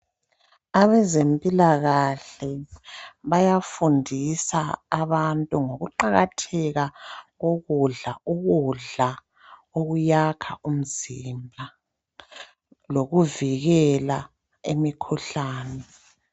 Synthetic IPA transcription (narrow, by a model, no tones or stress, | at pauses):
aβɛzempʼilaɣaɬɛ | βajafundʱisaːβantʼuŋoɣuǃaɣatʰɛɣaɣoɣuɮauɣuɮa | oɣujakʰaum̩zimbʱa | loɣuviɣɛla | emikʰuɬaːnɛ